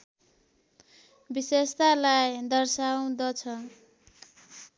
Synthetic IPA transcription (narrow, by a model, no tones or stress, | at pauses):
bisest̪alajd̪ʌrsaw̃d̪ʌt͡sʰʌ